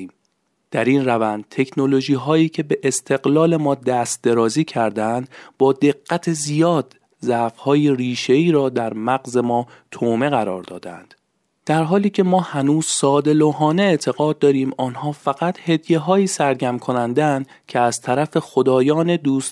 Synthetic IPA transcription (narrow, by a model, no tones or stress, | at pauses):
d̪̥æɾiːnrævænd̪̥̚t̪ʰe̞kʰno̞lo̞ʒiːɦɒːiːcʰe̞be̞ʔest̪ʰe̞ɣlɒːle̞mɒːd̪æst̪̚d̪e̞ɾɒːziːcʰæɾd̪ænd̪bɒːd̪e̞ɡːæt̪ʰezijɒːd̪̥ | zæfhɒːjiriːʃe̞iːɾɒːd̪æɾmæɡze̞mɒː | t̪ʰoːme̞ɣæɾɒ̰ːɾd̪ɒ̰ːd̪ææ̰nd̪̥ | d̪̥æɾɦɒːliːcʰe̞mɒːhænuːz̥sɒːd̪e̞loɦɒːneːt̪ʰe̞ɣɒːd̪̚ːɒːɾiːmɒːnhɒːfæɣæt̪he̞d̪je̞ɦɒːiːsæɾɟæmkʰo̞nænd̪eænd̪ | cʰeæz̥t̪ʰæɾæfe̞xod̪ɒːjɒːne̞d̪uːs